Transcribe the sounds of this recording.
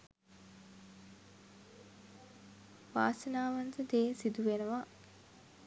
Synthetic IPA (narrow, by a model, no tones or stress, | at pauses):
ʋaːsənaːʋant̪əd̪eːsid̪uʋenəʋa